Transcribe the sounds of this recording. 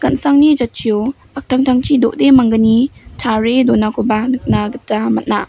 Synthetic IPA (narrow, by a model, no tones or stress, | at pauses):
kɐnsaŋnid͡ʒat̚t͡ʃʰijo | pak̚tʰaŋtʰaŋt͡ʃʰidoʔdemaŋɡɯnitʰaɾedɔnakʰubanɯk̚naɡɯtːamat̚na